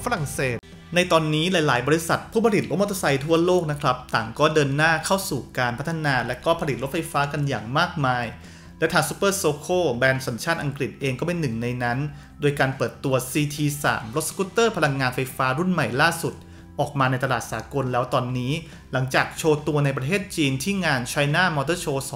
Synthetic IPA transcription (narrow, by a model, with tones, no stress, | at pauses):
fa˧ɾa˨˩ŋseː˨˩t̪̚ | na˧jt̪ɔː˧nːiː˦˥laː˨˦jlaː˩˦jbɔː˧ɾi˧˥sa˨˩t̪̚pʰuː˥˩pʰa˧li˨˩t̪̚ɾo˦˥mo˦˥t̪ʰːa˧sa˧jt̪ʰu˥˩ɐloː˥˩k̚na˦˥kʰɾa˦˥p̚t̪aː˨˩ŋkɔː˥˩dɤː˧nːaː˥˩kʰa˥˩wsuː˨˩kaː˧npʰa˦˥t̪ʰːa˧naː˧lɛː˦˥wkɔː˥˩pʰa˧li˨˩o˦˥t̪fa˧jfaː˦˥ka˧njaː˨˩ŋmaː˥˩k̚maː˧j | lɛ˦˥wt̪ʰaː˧ŋsu̥ː˧˦˥pːɤː˥˩soː˧kʰoː˥˩bɛː˧nsa˩˦nt͡ɕʰaː˥˩nʔa˧ŋkɾi˨˩t̪̚ʔeː˧ŋkɔː˥˩pe˧nːɯ˨˩ŋna˧jna˦˥n | doː˧jkaː˧npɤː˨˩t̪ːu˧ɐsiː˧t̪ʰiː˧sa̰ː˩˦mlo˦˥t̪̚skuː˦˥t̪ːɤː˥˩pʰa˧la˧ŋːaː˧nfa˧jfaː˦˥ɾu˥˩nma˨˩jlaː˥˩su˨˩t̪̚ | ʔɔː˨˩k̚maː˧na˧jt̪a˧laː˨˩t̪̚sa̰ː˩˦ko˧nlɛː˦˥wt̪ɔː˧nːiː˦˥ | la˩˦ŋt͡ɕaː˨˩k̚t͡ɕʰoː˧t̪u˧ɐna˧jp̬ɾa˧t̪ʰeː˥˩t̪̚t͡ɕiː˧nt̪ʰiː˥˩ŋaː˧nt͡ɕʰa˧jnaː˥˩mɔː˧t̪̬ɤː˥˩t͡ɕʰoː˧s